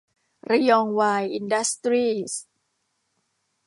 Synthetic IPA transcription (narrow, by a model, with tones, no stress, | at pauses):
ɾi˧jɔː˧ŋwaː˧jʔi˧nda˦˥st̪ɾiː˥˩s